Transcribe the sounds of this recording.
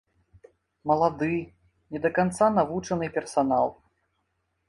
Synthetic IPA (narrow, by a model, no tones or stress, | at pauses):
mɐlˠad̪ɨ | nʲɛd̪ɐkant̪sanavut͡ʂɐnɨpʲɛrsanalˠ